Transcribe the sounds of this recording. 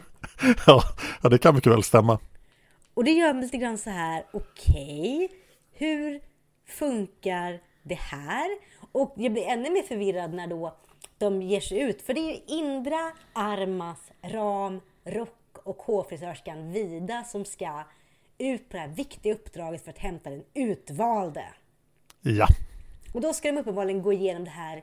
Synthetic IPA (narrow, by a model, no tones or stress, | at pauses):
jɑːɑd̪ɛkʰanmʏkːəvɛ̰lst̪ɛmːa | ɔd̪ɛjœːɾmliːt̪əɡɾanːsɔɦæːɾʊkʰɛj | hɵ̟ɾ | fɵŋkaɾ | ɖɛhæːɾɔkjɑːɡblɪɾɛnːɵmeːɾfœɾvɪɾːad̪næɖɔ | d̪̥ɔmjeːʂɛjʉ̟ːt̪fœɖɛæɾjɵɪnd̪ɾaaɾmasɾɑːm | ɾɔkːɔkhoːfɾɪsœːʂkanviːd̪asɔmska | ʉ̟ːt̪̚pʰɔd̪ɛhæːɾvɪkt̪ɪɡaɵpːd̪ɾɑːɡət̪fœɾat̪hɛmt̪ad̪ɛnʉ̟ːt̪vɑːld̪ə̰ | jaɔd̪ɔskad̪ɔmɵpːənbɑːlɪɡənɡoːɪjeːnɔmd̪ɛɦæːɾ